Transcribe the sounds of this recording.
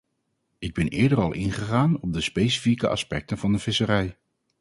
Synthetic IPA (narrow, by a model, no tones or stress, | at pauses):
ɪɡ̚bɛnɪːɹdərɑlˠʔɪnχəχaːnɔb̚dəspejsi̥fikəʔɑ̰spɛk̚tənvɑndəv̥ɪsəɾɛj